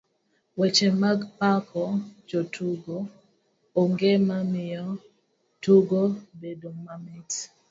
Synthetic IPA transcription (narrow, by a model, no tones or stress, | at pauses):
wɛt͡ʃɛmaɡpakʰɔd͡ʒotʰuɡo | oŋɡemamɪɔ | tuɡobedomamɪt